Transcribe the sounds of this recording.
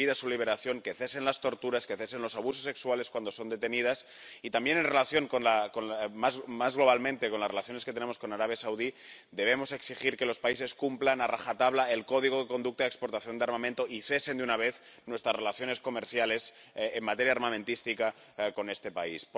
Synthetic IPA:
iðasuliβ̞e̞ɾaθjo̞ŋke̞θese̞nlast̪o̞ɾt̪uɾaskeθese̞nlo̞saβusosːe̞ksuwale̞skwand̪oso̞nd̪e̞t̪enið̞as | it̪ambje̞nenre̞laθjo̞ŋkonlakonmazmazɣlo̞β̞almẽnt̪ekonlasrelaθjo̞nesket̪ene̞mosko̞naɾaβ̞jasawðid̪e̞β̞e̞mo̞se̞ksixiɾke̞lo̞spaise̞skumplanaraxat̪aβ̞laelko̞ðiɣ̞oðeko̞nd̪uk̚t̪aekspoɾt̪aθjo̞nd̪eaɾmamẽnt̪oʔiθe̞se̞nd̪eunaβ̞eθ | nwe̞st̪ɾasrelaθjo̞ne̞sko̞meɾθjale̞s | emmat̪eɾjaɾmamẽnt̪ist̪ika | ko̞ne̞st̪e̞paisp

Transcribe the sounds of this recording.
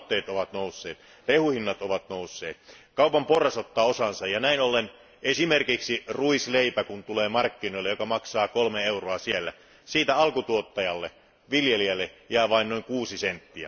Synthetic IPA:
t̪ːˑeːt̪oʋɑt̪nousːeːt̪ | rehuhinːɑt̪oʋɑt̪nousːeːt̪kɑupɑmporːɑsot̪ːɑːosɑnsɑjjɑnæinolːen | esimerkiksiruisleipækunt̪uleːmɑrkːinoilːejokɑmɑksɑːkolmeeuroɑsielːæ̰ | siːt̪æɑlkut̪uot̪ːɑjɑlːe | ʋiljeliælːejæˑːʋɑinnoiŋkuːsisent̪ːiæ̰

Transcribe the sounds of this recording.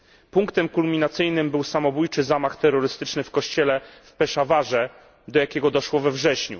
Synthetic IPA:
puŋkt̪ɛmkulmʲinat̪sɘjnɘmbɘwsamɔbujt͡ʂɘzamaxt̪ɛɾːɔɾɘst̪ɘt͡ʂnɘfkɔɕt͡ɕɛlɛfpɛʂavaʐɛ | d̪ɔjakʲɛɡɔd̪ɔʂwɔvɛvʐɛɕɲṵ

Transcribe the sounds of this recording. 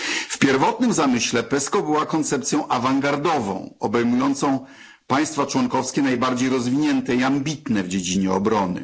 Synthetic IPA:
fpʲjɛɾvɔt̪nɘmzamɘɕlɛpɛskɔbɘwakɔnt̪sɛp̚t̪sʲjɔ̃w̃ʔavaŋɡaɾd̪ɔvɔ̰̃w̃ɔbɛjmujɔnt̪sɔ̃w̃ | paj̃st̪fat͡ʂwɔŋkɔfskʲɛnajbaɾd͡ʑejɾɔzvʲiɲɛnt̪ɛiambʲit̪nɛvd͡ʑed͡ʑiɲɛɔbɾɔnɘ̰

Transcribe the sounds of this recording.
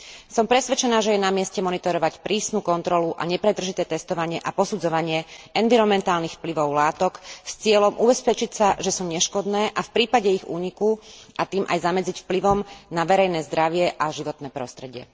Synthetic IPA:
sɔmpɾɛsʋɛt͡ʃɛnaːʒɛjɛnamɪɛscɛmɔnit̪ɔɾɔʋacpɾiːsnuːkɔnt̪ɾɔluʔa̰ɲɛpɾɛd̪r̩ʒit̪ɛːt̪ɛst̪ɔʋaɲɪɛʔapɔsud͡zɔʋaɲɪɛɛnʋiɾɔmɛnt̪aːlnixfpliʋɔʊlaːt̪ɔkst͡sɪɛlɔmʔubɛspɛt͡ʃicsaʒɛsuːɲɛʃkɔd̪nɛːʔafpɾiːpaɟɛiɣṵːɲikuʔat̪iːmʔa̰jzamɛd͡zicfpliʋɔmnaʋɛɾɛjnɛːzd̪ɾaʋɪɛʔaʒiʋɔt̪nɛːpɾɔ̰st̪ɾɛɟɪɛ̰

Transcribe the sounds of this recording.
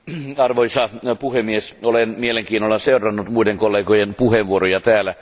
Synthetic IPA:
ɑrʋoisɑpuhemːiesolenmieleŋkiːnolːɑseurɑnːut̪muideŋkolːeːɡojenpuheʋʋuoɾojɑt̪æːlæ

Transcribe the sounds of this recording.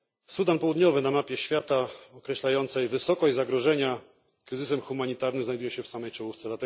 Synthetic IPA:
sud̪anpɔwud̪ɲɔvɘnamapʲjɛɕfʲjat̪aɔkɾɛɕlajɔnt̪sɛjvɘsɔkɔd͡ʑzaɡɾɔʐɛɲa | kɾɘzɘsɛmxumaɲit̪aɾnɘmzajd̪ujɛɕɛfsamɛjt͡ʂɔwuft̪sɛlat̪ɛ

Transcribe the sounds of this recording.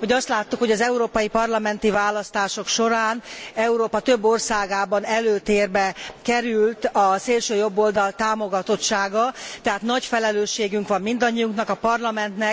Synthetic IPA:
ho̞ɟɒst̪laːt̪ːukho̞ɟɒzɛuɾoːpɒjipɒrlɒmɛnt̪ivaːlɒst̪aːʃo̞kʃo̞ɾaːnɛuɾoːpɒt̪ø̞bːo̞rsaːɡaːbɒnɛløːt̪eːrbɛkɛɾylt̪ɒseːlʃøːjo̞bːo̞ld̪ɒlt̪aːmo̞ɡɒt̪o̞t̪ʃaːɡɒt̪ɛɦaːt̪nɒcfɛlɛløːʃːeːɡyŋkʋɒmmind̪ɒɲːijuŋknɒkɒpɒrlɒmɛnt̪nɛ

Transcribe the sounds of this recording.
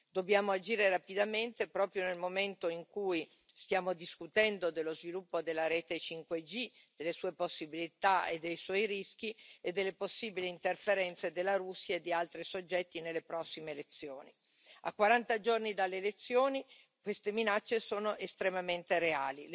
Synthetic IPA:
d̪objaːmoad͡ʒiːɾerapid̪ament̪epɾɔːpɾjonelmoment̪oiŋkuj | st̪jaːmod̪iskut̪ɛnd̪od̪elːozvilupːod̪elːaɾeːt̪et͡ʃiŋkwed͡ʒid̪̥elːesuːeposːibilit̪aḛd̪ːejswɔjɾisk̟ied̪ːelːeposːiːbiliːnt̪erfeɾɛnt̪sed̪elːaɾusːjaed̪ːialt̪ɾisod͡ʒːɛt̪ːinelːepɾɔsːimeːlet̪sːjoːni | a̰kːwaɾant̪ad͡ʒornid̪alːeːlet̪sːjoːni | kwest̪eminat͡ʃːesoːnoʔest̪ɾemament̪eɾeaːlil

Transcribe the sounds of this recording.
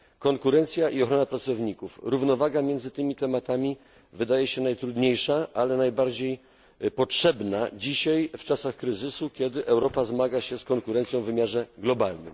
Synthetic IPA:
kɔŋkuɾɛnt̪sʲjaʔiɔxɾɔnapɾat̪sɔvɲikufɾuvnɔvaɡamʲjɛnd̪zɘt̪ɘmʲit̪ɛmat̪amʲi | vɘd̪ajɛɕɛnajt̪ɾud̪ɲejʂaʔalɛnajbaɾd͡ʑej | pɔtʂɛbnad͡ʑiɕajft͡ʂasaxkɾɘzɘsukʲɛd̪ɘʔɛwɾɔpazmaɡaɕɛskɔŋkuɾɛnt̪sʲjɔ̃w̃vːɘmʲjaʐɛɡlɔbalnɘ̰m

